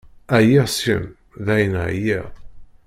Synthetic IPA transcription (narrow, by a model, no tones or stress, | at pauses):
æjæsḭm | ðæjənʕjæ